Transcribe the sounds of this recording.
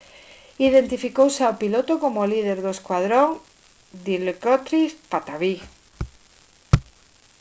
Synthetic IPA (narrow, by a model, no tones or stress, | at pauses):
iðe̞nt̪ifikowseawpilo̞t̪oko̞molið̞e̞ɾðoeskwað̞ɾoŋ | d̪ilkot̪ɾispat̪aβi